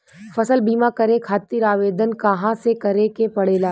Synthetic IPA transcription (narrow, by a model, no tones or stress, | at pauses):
fɐsəlbiːmakɐɾẽkʰaːt̪iːɾaːʋeːd̪ənkɐɦãsekɐɾekepɐɽeːlaː